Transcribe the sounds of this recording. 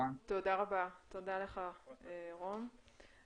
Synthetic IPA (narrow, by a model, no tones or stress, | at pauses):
t̪o̞daʁabat̪o̞d̪aleχaeʁom